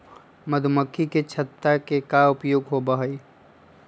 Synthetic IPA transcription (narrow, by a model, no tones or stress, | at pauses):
məd̪ʱʊməkʰːiket͡ʃʰɐt̪ːakekaʊpjoːɡɦobəɦəi